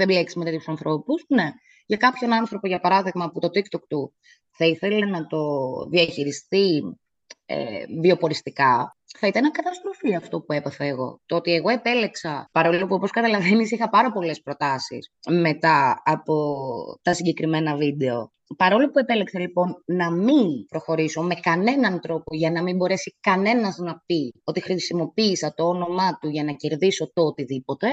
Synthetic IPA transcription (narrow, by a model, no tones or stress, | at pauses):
embleksimet̪eusɐnθɾo̞puzne̞ | ʝɐkɐpço̞nɐnθɾo̞po̞ʝɐpɐɾɐðiɣmɐput̪o̞t̪ikt̪ok̚t̪u | θɐiθe̞lenɐt̪o̞ðiɐçiɾist̪i | ḛvio̞po̞ɾist̪ikɐ | θɐit̪ɐnɐkɐt̪ɐst̪ɾo̞fiɐft̪o̞pue̞pɐθeeɣo̞̰t̪oot̪ie̞ɣo̞e̞pe̞le̞ksɐpɐɾo̞lopuopo̞skɐt̪ɐlɐvenisixɐpɐɾɐpo̞le̞spɾo̞t̪ɐsḭsme̞t̪ɐːpo̞t̪ɐsiɲɟe̞kɾime̞nɐvid̪e̞o̞̰ | pɐɾo̞lo̞pue̞pe̞leksɐlipo̞nnɐminpɾo̞xo̞ɾiso̞me̞kɐne̞nɐnt̪ɾo̞po̞ʝɐnɐmimbo̞ɾe̞sikɐne̞nɐznɐpio̞t̪ixɾisimo̞piːsɐt̪o̞ono̞mɐt̪uʝɐnɐce̞ɾðiso̞t̪oot̪iðipo̞t̪e̞